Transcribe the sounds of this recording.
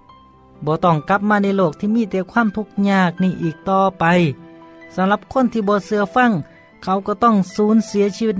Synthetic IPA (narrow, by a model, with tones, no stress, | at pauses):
bɔː˧˦t̪ɔ˧˩ŋka˧p̚maː˧na˧˩˨jloː˧˩k̚t̪ʰiː˧˨miː˧˥˨t̪ɛː˧˩kʰwaː˧˥˨mt̪ʰu˧k̚ɲaː˧˩k̚niː˧˩˨ʔiː˨˩k̚t̪ɔː˧pa˧jsa˨˧˦mla˧˦p̚kʰo˧˥˨nt̪ʰiː˧bɔː˧˦sɯ˧ɐfa˧˥˨ŋ | kʰa˧˩wkɔː˧˩t̪ɔ˧˩˨ŋsuː˨˦˥nsi˨˦ɐsiː˧wi˧t̪̚